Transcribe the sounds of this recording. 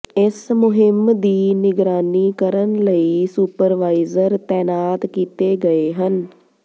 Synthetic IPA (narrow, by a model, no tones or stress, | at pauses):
ɪsmʊɦɪmd̪iːnɪɡɾaːniːkəɾənləiːsuːpəɾʋaːizəɾt̪ɛːnaːt̪kiːt̪eːɡəeːɦən